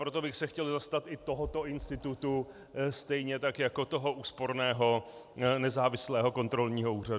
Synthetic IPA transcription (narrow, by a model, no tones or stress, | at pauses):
pɾo̞t̪o̞bɪxsɛxcɛlzast̪at̪ɪt̪o̞ɦo̞t̪o̞ʔɪnst̪ɪt̪ut̪u | st̪ɛjɲɛt̪akjako̞t̪oɦo̞ʔuːspo̞ɾnɛːɦo̞ | nɛzaːvɪslɛːɦo̞ko̞nt̪ɾo̞lɲiːɦo̞uːr̝ad